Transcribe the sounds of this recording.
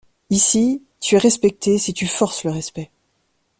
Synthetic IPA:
isi | t̪yɛʁɛspɛk̚t̪esit̪yfɔʁsləʁɛspɛ

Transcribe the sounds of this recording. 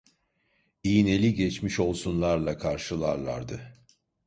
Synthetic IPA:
ijine̞lʲiɟɛt͡ʃmiʃo̞lˠsunlˠaɾlˠakʰaɾʃɯlˠaɾlˠa̰ɾd̪ɯ

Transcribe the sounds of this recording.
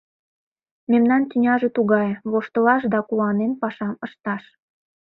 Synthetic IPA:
memnɑnt̪ʲynʲɑʒet̪uɣɑjβoʃt̪əlɑʃ̬d̪ɑkuwɑnenpɑʃɑməʃt̪ɑʃ

